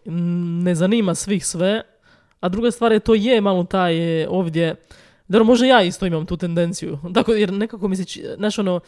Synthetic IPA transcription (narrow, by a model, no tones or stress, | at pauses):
ne̞zanimasʋixsʋe | ad̪ɾuɡast̪ʋaːɾjet̪oːjemalot̪aːjʔo̞ːʋd̪ʲje | aɾomoʒd̪ajaːist̪o̞imamt̪uːt̪e̞nd̪e̞nt̪sijṵt̪akojeɾnekakomisit͡ʃinaʃono